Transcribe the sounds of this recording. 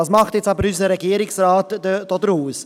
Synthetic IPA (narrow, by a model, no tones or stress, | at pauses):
ɑːsmɑχtjɛt͡stɑbəɾys̬əɾɛɡiːəɾɪksraːtd̥od̥əɾhuːs